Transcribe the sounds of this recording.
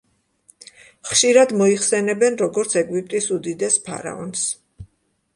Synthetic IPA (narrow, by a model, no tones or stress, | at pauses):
χʃiɾad̪mɔiχsɛnɛbɛnɾɔɡɔɾt̪sʰɛɡwip̚ʼt̪ʼisud̪id̪ɛspʰa̰ɾa̰ɔ̰ns